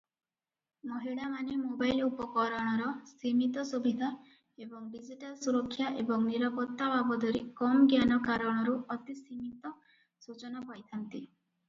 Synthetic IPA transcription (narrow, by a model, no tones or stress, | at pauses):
mɔɦiɽamanemobajlupɔkɔɾɔɽ̃ɔɾɔsimit̪ɔsubid̪ʱa | ebɔŋɖid͡ʒiʈalsuɾɔkʰːjaʔebɔŋniɾapɔt̪ːabʱabɔd̪ʱɔɾikɔmɡjanɔkaɾɔɽ̃ɔɾuɔt̪isimit̪ɔ | sut͡ʃɔnɔbɔjt̪ʰant̪i